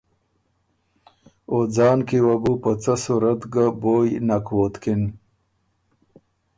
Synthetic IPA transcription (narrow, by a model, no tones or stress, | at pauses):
od͡zɑːnkiwabupət͡sasuɾɐt̪ɡaboːjnakwot̪kin